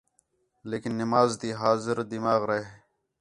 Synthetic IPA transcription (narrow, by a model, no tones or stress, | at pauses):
lekinːimaːzd̪iːɦaːzɪɾd̪imaːɣɾa